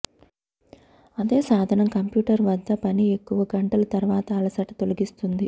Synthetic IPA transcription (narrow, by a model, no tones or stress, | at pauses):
ɐd̪e̞ːsaːd̪ʱɐnɐmkɐmpjuːʈɐɾʋɐd̪ʱːɐpɐniekːuʋɐɡɐɳʈɐlɐt̪ɐɾuʋaːt̪ɐːlɐsɐʈɐt̪o̞lɐɡist̪und̪i